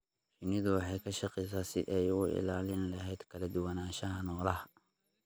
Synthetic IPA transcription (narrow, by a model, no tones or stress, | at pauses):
t͡ʃɪnɪðʊwɑħɑjkʰɐʃɑqɛjs̬aːsɪ̰ʔɛjʊɪ̰laːlɪnlɐɦɛjd̪kʰɐlɐd̪ʊwɑnaːʃɐɦɐnɔːlɐɦɐ